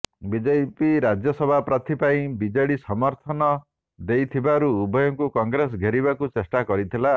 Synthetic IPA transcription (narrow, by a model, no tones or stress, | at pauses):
bid͡ʒepiɾad͡ʒjɔsɔbʱapɾat̪ʰipaĩbid͡ʒeɽisɔmɔɾt̪ʰɔnɔ | d̪ejt̪ʰibaɾuːbʱɔjɔŋkukɔŋɡɾes̬ɡʱeɾibakut͡ʃesʈakɔɾit̪ʰila